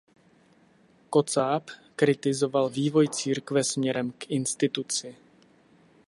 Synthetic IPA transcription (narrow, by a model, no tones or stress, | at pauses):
ko̞t͡saːpkɾɪt̪ɪzo̞valviːvo̞jt͡siːɾkvɛsmɲɛɾɛmkʔɪnst̪ɪt̪ut͡sɪ